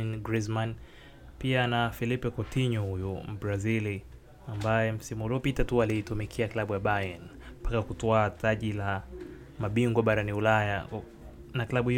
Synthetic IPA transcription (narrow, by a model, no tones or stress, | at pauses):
nɡɾizman | pianafilipɛkɔtiɲɔhujubɾazili | ambajɛm̩simuhuliɔpitatualiitumikʰiaklaɓujaɓajan | mpakakutɔataʄila | maɓiŋɡwaɓaɾaniulaja | naklaɓuhi